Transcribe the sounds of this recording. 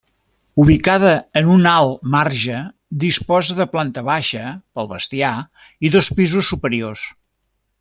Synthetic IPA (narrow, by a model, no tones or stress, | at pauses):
uβ̞ikaðəːnunalˠmarʒə | d̪ispɔzəðəplant̪əβaʃəpəlˠβəst̪ia | iðospizusːupəɾios